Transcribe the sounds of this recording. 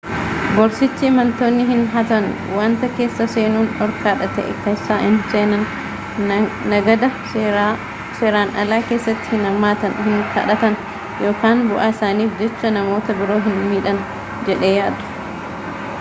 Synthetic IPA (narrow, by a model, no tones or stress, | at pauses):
bɔɾsɪt͡ʃːɪːmɐnt̪o̞ːnːɪɦɪnɦɐt̪ɐn | waːnt̪ɐke̞ːsːɐse̞ːnuːnɔɾkaːᶑɐt̪ɛ̰ʔɪ̰kːɐɪsaːʔɪnseːnɐn | nɐɡɐd̪ɐ | seːɾaːnɐlaːke̞ːsːɐt̪ːɪ̥hɪnɐmːaːt̪ɐnhɪŋkʰɐ̰ᶑɐt̪ɐn | jo̞ːkaːnbʊʔaːɪsaːniːfd͡ʒɛt͡ʃːɐnɐmo̞ːt̪ɐbɪɾo̞ːɦɪnmiːᶑɐn | d͡ʒɛᶑe̞ːjaːd̪ʊ̥